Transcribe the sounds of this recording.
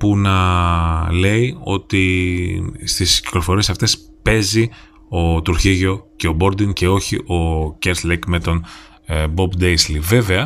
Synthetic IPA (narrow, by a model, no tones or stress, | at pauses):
punɐ | le̞io̞̰t̪i | st̪isci̥klo̞fo̞ɾie̞sɐft̪e̞s | pe̞zi | o̞t̪uɾçiʝo̞ce̞o̞bo̞ɾd̪iŋce̞o̞çiʔo̞ceɾslekme̞t̪o̞n | bo̞bd̪ejslive̞ve̞ɐ